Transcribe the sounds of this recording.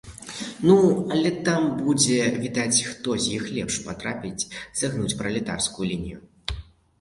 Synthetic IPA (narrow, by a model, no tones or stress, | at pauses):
nuɐlʲɛt̪ambud͡zʲɛvʲid̪at͡sʲxt̪ɔzʲjixlʲɛpʂpat̪ɾapʲit͡sʲz̥aɣnut͡sʲpɾɐlʲit̪a̰wskujulʲinʲiju